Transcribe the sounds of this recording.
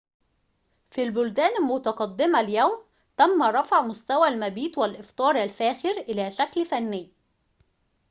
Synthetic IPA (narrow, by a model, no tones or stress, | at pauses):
filbʊld̪æːnælmʊt̪ɑqɑd̪ːɪmæljæwm | t̪æmːæɾˤɑfʕmʊst̪æwælmæbiːt̪wælʔɪft̪ˤɑːɾˤʔælfæːxɪɾʔɪlæːʃæklfænːɪjː